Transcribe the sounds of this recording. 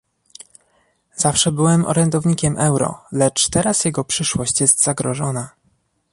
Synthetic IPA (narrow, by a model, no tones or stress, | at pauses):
z̥afʂɛbɘwɛmɔ̰ɾɛnd̪ɔvɲikʲɛmʔɛwɾɔ̰lɛt͡ʂt̪ɛɾasjɛɡɔpʂɘʂwɔɕt͡ɕjɛst̪z̥aɡɾɔʐɔna